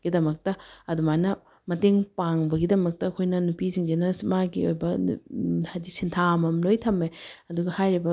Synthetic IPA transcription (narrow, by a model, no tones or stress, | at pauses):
ɡ̥idɐmɐk̚tɐɐdumajnɐ | mɐteŋpaŋbɐɡidɐmɐk̚tɐːkʰojnɐnupiziŋd͡ʒenɐmaɡḭojbɐ̰ | hajdisintʰamɐmlojtʰɐmːeɐduɡɐhajɾibɐ